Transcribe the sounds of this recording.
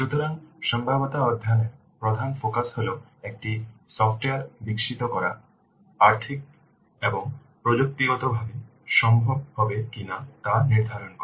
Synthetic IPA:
ʃut̪oɾanʃɔmbʱabot̪aɔd̪ʱjaneɾ | pɾod̪ʱanfokasɦole | ek̚ʈi | sɔfʈeaɾbikʃit̪okɔɾa | aɾt̪ʰik̚ | eboŋ | pɾod͡ʑok̚t̪iɡɔt̪obʱabe | ʃɔmbʱɔbhɔbekinat̪aniɾd̪ʱaɾonkɔɾe

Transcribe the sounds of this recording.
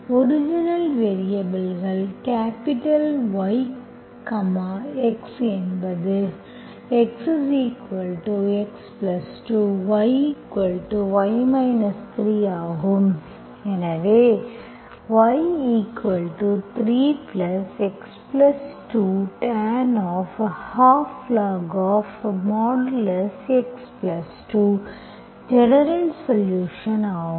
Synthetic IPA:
ɔɾɪd͡ʒinɐlʋeːɾijɐbɐlɣɐɭkaːpɪʈɐlʋɐɪ | kɐmaeksɛnbɐðɯ | ɛkssiːkʋɐlʈueksplɐsʈuʋɐɪiːkʋɐlʈuʋɐjmɐɪnɐst̪ɾiːaːɣɯm | enɐʋe | ʋɐjiːkʋɐlʈut̪ʰɾiːplɐseksplɐsʈuːʈɛːnɔːfhaːfːlaːɡɔːfmɔːɖlɐseksplɐsʈu | d͡ʒɛnɐɾɐlsɐljuːʃɐnaːɦ

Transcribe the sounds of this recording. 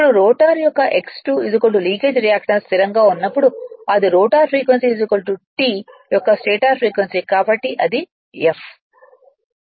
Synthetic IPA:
pːɐɽuɾoːʈaːɾjɔkːɐʔeksʈuːizukoɳʈuliːkeːd͡ʒɾijaːkʂɐnst̪iɾɐŋɡaːunːɐpːuɽuɐd̪iɾoːʈaːɾpʰɾiːkʋensiːzikɐlʈuʈiːjɔkːɐsʈeːʈaːɾpʰɾiːkʋensikaːbɐʈːiʔɐd̪i | ef

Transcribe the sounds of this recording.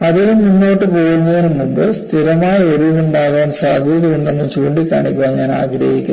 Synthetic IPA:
ɐðiluminːo̞ːʈːɨpo̞ːɻunːɐðinumːumbɨstt̪ʰiɾɐmaːjɐoɾuuɳɖaːɣaːnsaːɡʱiːðɐuɳɖɐnːɨt͡ɕuːɳɖikːaːɳikʲːuʋaːɲaːna̰ːɡɾɐ̰hikʲːṵn

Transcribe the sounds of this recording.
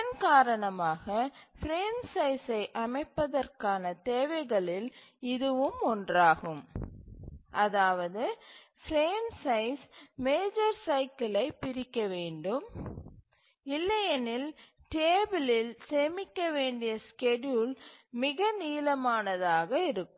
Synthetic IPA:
ɐnkaːɾɐɳɐmaːɣɐfɾeːnsɐɪsɐɪʔɐmɐɪpːɐðɐrkaːnɐt̪eːʋɐɪɣɐɭɪl | ɪðɯʋɯmɔndraːɣɯm | ʔɐðaːʋɐðɯ | fɾeːnsɐɪsmeːd͡ʒɐɾsɐɪkɪlɐɪpːɪɾɪkːɐʋeːɳɖɯm | ɪlːɐjɐnɪl | ʈeːbɪlɪlsemɪkːɐʋeːɳɖɪjɐskɛɖjulmɪɣɐniːlɐmaːnɐðaːɣɐɪɾɯkːɯ

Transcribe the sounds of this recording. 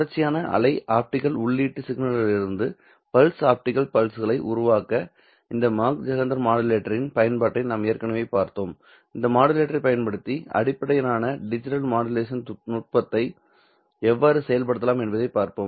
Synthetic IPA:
ɽɐɾt͡ʃːɪjaːnɐʔɐ̰lɐɪʔaːp̚ʈɪkːɐlʊɭːiːʈːɯsɪɡnɐɭɐlɪɾɯnd̪ɯ | pɐlsaːp̚ʈɪkɐlpɐlsɯɣɐɭɐɪʔʊɾʊʋaːkɐ | ɪnd̪ɐmaːk̚d͡ʒɐɣɐnd̪ɐɾmaːɽɐleːʈːɐɾɪnpɐjɐnpaːʈːɐɪnaːmejːɐɾkɐɳɐʋeːpaːɾt̪oːm | ɪnd̪ɐmaːɽɐleːʈːɐɾɐɪpːɐjɐnpɐɽɯt̪ːiɐ̰ɽɪpːɐɽɐjɐnaːnɐɖɪd͡ʒɪʈɐlmaːɽɐleːʂɐnnʊʈ̚pɐt̪ːɐɪ | ɛʋːaːɾɯsɛjɐlpɐɽɯt̪ːɐlaːmɛnbɐðɐɪpːaːɾpoːm

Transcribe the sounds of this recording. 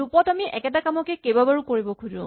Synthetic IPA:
upɔtamiʔɛkɛtakamɔkɛkebabaɹukoɹibɔkʰudʊ̰̃

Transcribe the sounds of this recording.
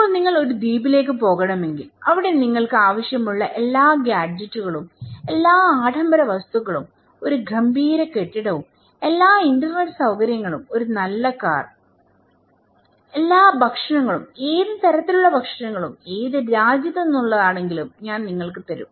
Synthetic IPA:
ɐpːoːɭniŋːɐɭo̞ɾud̪iːbile̞ːk̬ːɨpo̞ːɣɐɳɐme̞ŋɡilɐʋiɽe̞niŋːɐɭkɨaːʋɐɕjɐmuɭːɐʔe̞lːaːɡjaːd͡ʑɐtːuɣɐɭume̞lːaːaːʈʰɐmbʱɐɾɐʋɐst̪uɣɐɭum | o̞ɾuɡʱɐmbʱiːɾɐke̞ʈːiɽɐʋum | e̞lːaːindɐrneʈːsɐwkɐɾjɐŋːɐɭumo̞ɾunɐlːɐka̰ːr | e̞lːaːbʱɐkʂɐɳɐŋːɐɭumeːðɨt̪ɐɾɐt̪ːiluɭːɐbʱɐkʂɐɳɐŋːɐɭumeːðɨɾaːd͡ʑjɐðɐenːuɭːɐðaːɳe̞ŋɡilumɲaːnniŋːɐɭkɨt̪ɐɾṵm

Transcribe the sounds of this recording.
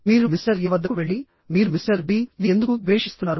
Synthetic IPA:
miːɾumisɐɾɡɛʋɐd̪ːɐkuʋeɭːi | miːɾumisɐɾbiːnind̪ukuʋeːʂist̪unːaːɾu

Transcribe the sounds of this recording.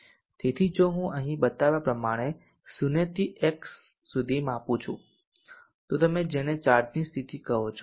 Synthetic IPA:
t̪et̪ʰid͡ʒoɦũəɦĩɓət̪aʋapɾəmaɽ̃e | sunet̪iʔeksː | ud̪ʱimãpũt͡ʃʰṵ̃ | t̪ot̪əmed͡ʒeɽ̃et͡ʃaɾd͡ʒnist̪ʰit̪ikəɦot͡ʃʰo̥

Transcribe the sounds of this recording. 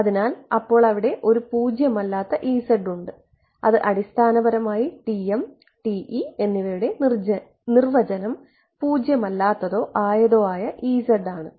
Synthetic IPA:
ɐðinaːlɐpːo̞ːɭɐʋiɽe̞ʔo̞ɾupuːd͡ʑjɐmɐlːaːt̪ːɐʔiːsɐɖuɳɖɨ | ɐðɨʔɐɽist̪ʰaːnɐbɐɾɐmaːjiʈiem | ʈiʔie̞nːiʋɐɾuɽe̞nr | nirʋɐd͡ʑɐnɐm | puːd͡ʑjɐmɐlːaːt̪ːɐðo̞ːʔaːjɐðo̞ːaːjɐʔiːsɐɖaːɳɨ

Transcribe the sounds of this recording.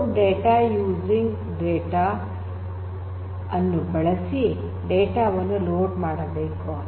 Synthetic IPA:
ɖeːʈaːjuːd͡ʒiŋɡ | ɖeːʈaː | ɐnːubɐɭɐsi | ɖeːʈaːʋɐnːuloːɖmaːɽɐbeːku

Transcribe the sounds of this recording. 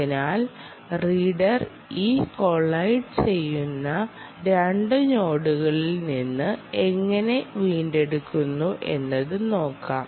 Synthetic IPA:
inaːl | riːɽɐr | iːko̞ɭːɐjʈɨt͡ɕe̞jːunːɐ | ɾeɳɖɨɲo̞ːɽuɣɐɭilninːɨe̞ŋːɐne̞ʋiːnɖe̞ɽukːunːuʔe̞̰nːɐðɨno̞ːkːaː

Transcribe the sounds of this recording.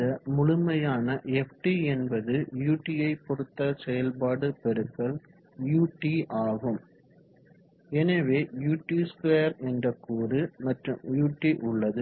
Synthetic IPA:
ɐmʊɻʊmɐjaːnɐɛfʈiɛnbɐðɯjuːʈːijɐɪpːɔɽɯt̪ːɐsɛjɐlpaːɽɯpɛɾɯkːɐɭ | juːʈːiʔaːɣɯm | ɛnɐʋeːjuːʈːiskʋeːɾɛndrɐkːuːrɯmɐʈrɯmjuːʈːiʔʊɭːɐðɯ

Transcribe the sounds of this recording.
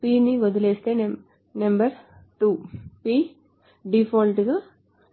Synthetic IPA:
piːniɡɔd̪ɐleːst̪eːnɐ | nɐmbɐɾʈuːpiː | ɖifoːlʈiɡaː

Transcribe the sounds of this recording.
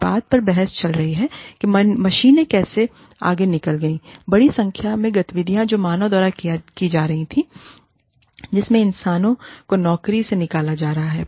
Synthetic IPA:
baːd̪̚pɐɾbɛɦɛst͡ʃɐlɾɐɦiɦɛkimmɐʃiːnẽkɛːse | a̰ːɡenɪkəlɡɐĩːbɐɽisɐ̃ŋkʰjamẽɡɐt̪ʋɪd̪ʱijãd͡ʒoːmaːnod̪ɔːɾakiakid͡ʒaːɾɐɦĩt̪ʰĩ | d͡ʒɪsmẽɪnsaːnõkonɔːkɾisenɪkaːlad͡ʒaːɾɐɦaɦɛː

